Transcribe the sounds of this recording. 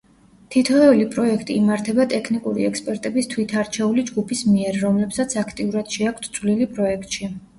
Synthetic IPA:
t̪ʰit̪ʰɔɛlipʼɾɔɛkʰt̪ʼiːmaɾt̪ʰɛbat̪ʼɛkʰnikʼuɾḭɛkspʼɛɾt̪ʼɛbist̪ʰwit̪ʰaɾt͡ʃʰɛulid͡ʒɡupʰismiɛɾːɔmlɛbsat̪sʰakʰt̪ʼiuɾad̪̥ʃɛakʰt̪ʰt̪sʰʼvlilipʼɾɔɛkʰt̪ʼʃi

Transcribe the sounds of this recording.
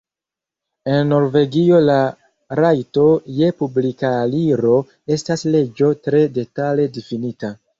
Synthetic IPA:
e̞nːo̞ɾve̞ɡio̞la | ɾajto̞je̞publikaliɾo̞ | e̞stasle̞d͡ʒo̞tɾe̞de̞tale̞difinita

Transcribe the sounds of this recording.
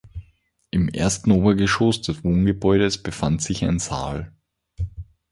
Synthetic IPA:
ʔɪmʔḛɐstn̩oːbɐɡəʃosd̥ɛsv̥oːnɡəbɔʏɾəsb̥əfantz̥ɪça̰ɪnza̰ːl

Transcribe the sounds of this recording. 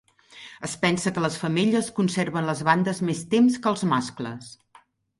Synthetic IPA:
əspɛnsəkələsfəmiʎəskunserβənləzβand̪əzmest̪emskəlˠzmasklə̰s

